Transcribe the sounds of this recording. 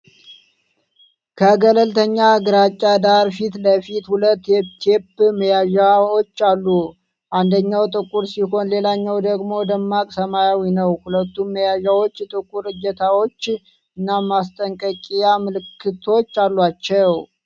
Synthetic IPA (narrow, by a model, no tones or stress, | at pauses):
kʰəɡələlt̪ʰəɲːaɡɨɾat͡ʃʼːad̪aɾfit̪ləfit̪hulət̪ːɛt̪ʰepːməjaʒaot͡ʃːalːu | ʔand̪əɲːawt̪ʼɨkʼuɾsiho̞nle̞laɲːawd̪əɡmo̞d̪əmːakʼsəmajawinəwhulət̪ːumːəjaʒawo̞t͡ʃːt̪ʼɨkʼuɾɨd͡ʒːət̪ʰawo̞t͡ʃː | ɨnːamːast̪ʼəŋkʼəkʼijamɨlɨkʰːɨt̪ʰo̞t͡ʃːalːwat͡ʃːɛw